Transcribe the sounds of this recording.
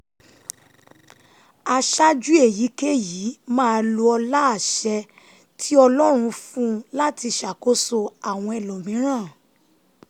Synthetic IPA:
a˧ʃa˦d͡ʒu˦e˦˨ji˨˦ke˦ji˨˦mãː˦˧lu˧ɔ˧la˦a˨ʃɛ˧ | tʰi˦ɔ˧lɔ˦ɾ̃ũ˧fũ˦la˦ti˧ʃa˨ko˦so˧a˨w̃ɔ̃˧ɛ˨lo˨mĩ˨˦ɾ̃ãː˦˨

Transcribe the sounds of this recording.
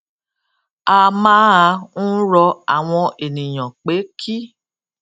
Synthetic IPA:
a˧mãː˦a˧n̩˦ɾɔ˧a˨w̃ɔ̃˧ʔe˨nĩ˨j̃ã˨k͡pe˨˦kʰi˦

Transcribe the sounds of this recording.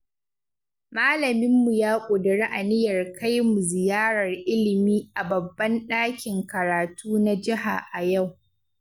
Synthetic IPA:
maː˦lɐ˨mɪ˦mːu˨jaː˦kʷʼoː˨dɐ˨ɽeː˦ʔa˨nɪ˦jɐ˨rka˦jmu˨zɪ˨jaː˦ɽɐ˨rʔɪ˦lɪ˨miː˦ʔa˨bɐ˨bːɐ˦nɗaː˦kʲɪ˨ŋkɐ˨ɾaː˨tuː˦na˦d͡ʒɪ˦ɦa̰˨ʔa˨ja˦˨w

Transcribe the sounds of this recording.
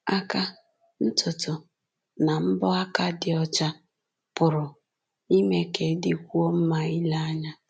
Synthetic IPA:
a˦ka˦ | n̩˦tʊ˨tʊ˨ | na˨m̩˦bɔ˦a˦ka˦dɪ˨ɔ˦t͡ʃa˦ | pʊ˨ɾʊ˨ | i˦me˦ke˨˦dɪ˦kʷu˦o˦m̩˦ma˦i˦la˦a˦ɲa˦

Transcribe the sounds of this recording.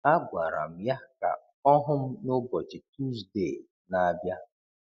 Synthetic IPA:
a˦ɡʷa˨ɾa̰˨m̩˨ja˦ka̰˨ | ɔ˦ɦʊ˦m̩˦no˦bɔ˨d͡ʒɪ˨tu˦zde˦˨ | na˨bja˦

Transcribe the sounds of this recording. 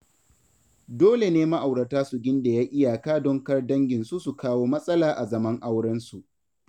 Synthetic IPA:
doː˦le˨neː˦ma˦ʔa˨wɽɐ˨taː˦su˨ɡʲɪ˦nda˨jaː˦ʔɪ˦jaː˨kaː˦dɔ˦ŋkɐ˦rdɐ˦ŋɡʲɪ˨nsu˦su˨kʰaː˦woː˦mɐ˦sʼɐ˦laː˨ʔa˨zɐ˦mɐ˦ŋʔa˦wɽɐ˦nsu˨ʔ

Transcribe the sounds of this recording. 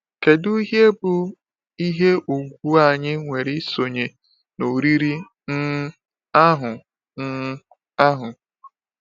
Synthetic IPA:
ke˨du˦i˦ɦje˦bʊ˨ | i˦ɦe˦ʔu˨ɡʷu˦a˦˨ɲɪ˦ŋʷe˨ɾɪ˦so˨ɲe˨ | no˨ɾi˦ɾi˦ | n̩˦ | a˦ɦʊ˨ | n̩˦ | a˦ɦʊ˨

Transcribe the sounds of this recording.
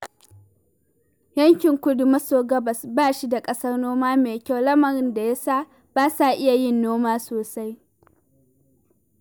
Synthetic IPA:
jɐ˦ŋkʲɪ˨ŋkʷʊ˦dʊ˨mɐ˦soː˨ɡɐ˦bɐ˨sbaː˦˨ʃi˦da˨kʼɐ˦sɐ˦rnoː˦maː˦meː˨kʲa˦wlɐ˦mɐ˨ɾɪ˦nda˨ja˦saː˦ | b̥aː˦sa˦˨ʔɪ˦ja˨jɪ˦nːoː˦maː˦soː˨sa˦j

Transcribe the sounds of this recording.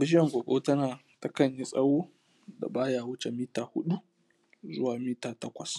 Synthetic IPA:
bɪ˦ɪ˦jɛ˨ŋɡʷoː˨kʼo˦tɐ˦naː˨ | tɐ˦kɐ˨ɲji˦sʼɐ˦woː˦ | da̰˨baː˦jaː˨wʊ˦t͡ʃe˨miː˦taː˨hʊ̰˦ɗu˦ | zʊ̰˦waː˨miː˦taː˨tɐ˦kʷɐ˨s

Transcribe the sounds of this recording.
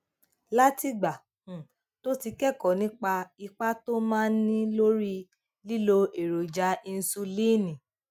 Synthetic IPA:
la˦ti˧ɡ͡ba˨ | ũ˨ | to˦ti˧kɛ˦˨kɔ˨nĩ˦k͡pa˧i˧k͡pa˦to˦mãː˦nĩ˦lo˦ɾi˦ | li˦lo˧e˨ɾo˨d͡ʒa˨˦i˧n̩˧su˧li˦˨nĩ˨

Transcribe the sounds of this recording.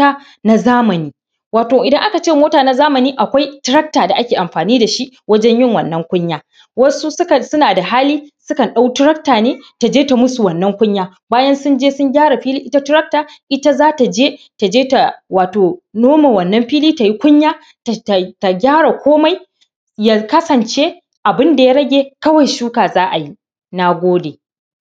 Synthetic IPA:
a˦ | na˨zaː˦mɐ˨niː˦ | waː˨toː˨ʔɪ˨dɐ˦ŋʔa˦ka˨t͡ʃeː˦˨moː˦taː˨na˦zaː˦mɐ˨niː˦ʔa˨kʷa˦jtɪ˦ɾɐ˦k̚taː˨da˨ʔa˦kʲeː˨ʔa˨mɸaː˨niː˦da˨ʃi˦wɐ˦d͡ʒɛ˦ɲjɪ˦˨ŋwɐ˨nːɐ˦ŋkʷʊ˦ɲjaː˦ | wɐ˦su˦sʊ˦ka˨sʊ˦naː˨da˨ɦaː˦liː˦sʊ˦kɐ˨nɗa˦wtɪ˦ɾɐ˦k̚taː˨neː˦ta˨d͡ʒeː˦ta˨mʊ˦su˨wɐ˨nːɐ˦ŋkʷʊ˦ɲjaː˦ | baː˦jɐ˦nsʊ˦nd͡ʒeː˦sʊ˦ŋɡʲaː˦ɽa˨ɸiː˦liː˦ʔɪ˦ta˦tɪ˦ɾɐ˦k̚taː˨ʔɪ˦ta˦zaː˦ta˨d͡ʒeː˦ | ta˨d͡ʒeː˦ta˨waː˨toː˨noː˦ma˨wɐ˨nːɐ˦mɸiː˦liː˦ta˨ji˦kʷʊ˦ɲjaː˦ | ta˨ta˨ɡʲaː˦ɽa˨kʷoː˦ma˦j | ja˦˨kɐ˦sɐ˨nt͡ʃe˦ | ʔa˨bɪ˦nda˨ja˦ɾɐ˦ɡʲeː˨kɐ˦wɐ˨jʃuː˦kaː˨zaː˦ʔa˨ji˦ | na˦ɡʷoː˦deː˨

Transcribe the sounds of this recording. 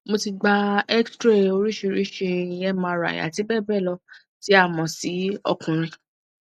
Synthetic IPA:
mo˧ti˧ɡ͡ba˧ɛ˦kstɾe˦˨o˧ɾi˦ʃe˧˨˧ɾi˦ʃe˧i˧ɛ˦mã˧˨ɾa̰˨j̃a̰˨ti˨˦bɛ˦˨bɛ˦˨lɔ˧ | ti˨˦a˦˨mɔ̃˧si˨˦ɔ̰˧˨kũ˨ɾ̃ĩ˧

